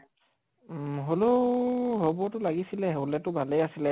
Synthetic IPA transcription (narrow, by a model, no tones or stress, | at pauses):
ɦoloɦɔbɔtʊlaɡisilɛɦwlɛtʊbʱalejasilɛ